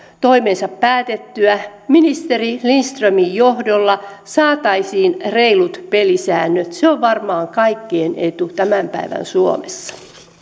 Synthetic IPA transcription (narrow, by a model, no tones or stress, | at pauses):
t̪oimeːnsɑppæːt̪et̪ːyæminist̪erilinst̪rømijjohdolːɑsɑːt̪ɑisiːnreilut̪pelisæːnːøt̪seoʋʋɑrmɑːŋkɑikːienet̪ut̪æmæmpæ̰iʋæ̰nsuo̰mesːɑ̥